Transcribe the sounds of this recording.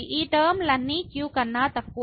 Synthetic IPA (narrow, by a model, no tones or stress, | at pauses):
iʔidəmlanikjukanat̪ak̚u